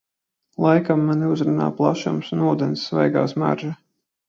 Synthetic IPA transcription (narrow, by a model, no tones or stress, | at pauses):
lˠajkamːaniuzɾuna̰ːplˠaʃumsunuːd̪ɛnsːvɛ̰jɡa̰ːsma̰ɾʒa